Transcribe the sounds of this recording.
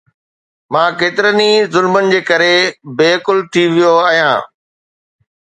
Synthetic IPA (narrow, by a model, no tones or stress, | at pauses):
mãːkeːt̪ɪɾənizʊlmənɪ̆d͡ʑeːkɐɾebeːkʊlt̪ʰiʋijoaːɦijãː